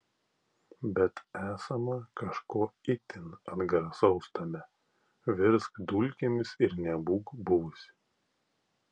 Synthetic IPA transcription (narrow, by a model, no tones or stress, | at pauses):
bʲɛt̪æːsɐmɐkɐʃkoːɪt̪ʲɪnɐd̪ɡɐɾɐsɒʊst̪ɐmʲɛ | ʋʲɪɾskd̪uːlʲkʲemʲɪsɪɾnʲɛbuːkbʊʋʊsʲɪ̥